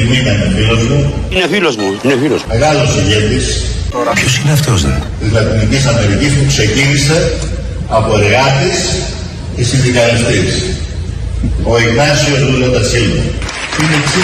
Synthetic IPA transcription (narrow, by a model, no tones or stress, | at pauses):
minɐnofilo̞zmuinefilozmuinefilozmeɣɐlosiʝe̞t̪isɐpçosi̥neɐft̪ozt̪izlɐt̪inicisɐme̞ɾicispukse̞cinise̞ | ɐpo̞eɾɣɐt̪is | esind̪ikɐɾist̪is | oiɣnɐsio̞zðulot̪ɐsilmɐ̰ | inesi